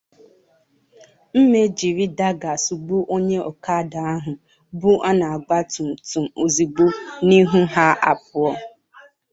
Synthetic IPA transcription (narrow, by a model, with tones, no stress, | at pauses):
m̩˦me˦d͡ʒi˨ɾi˦da˦ɡa˨su˨ɡ͡bu˦ʔo˦ɲe˦ɔ˨ka˦da˨a˦ɦʊ˨ | bʊ˦ʔa˦na˨a˨ɡ͡ba˦tu˨m̩˨tu˨m̩o˨zi˨ɡ͡bo˦ni˦ɦu˦ɦa˦ʔa̰˨pʊ˦ɔ˦